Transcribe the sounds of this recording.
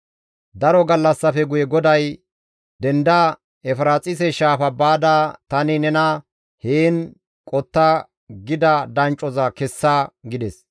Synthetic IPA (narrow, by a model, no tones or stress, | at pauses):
d̪ɐɾɔɡɐlːɐsːɐfɛɡʊjɛɡɔd̪ɐj | d̪ɛnd̪ɐ | ɛfɾaːt͡sʼɪsɛʃaːfɐbaːd̪at̪ɐnɪnɛnɐ | heːn | kʼɔt̪ːɐ | ɡɪd̪ɐd̪ɐnt͡ʃʼːɔzɐkɛsːɐɡɪd̪ɛs